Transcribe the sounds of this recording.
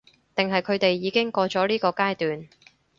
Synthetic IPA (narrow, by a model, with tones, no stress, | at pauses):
t̪ɪ˨˩ŋɦɐ˨jkʰɵ˨˧ɥt̪e˨jːiː˨˧kɪ˥ŋkɔː˧t͡ʃɔː˨˥liː˥kɔː˧kaː˥jt̪yː˨n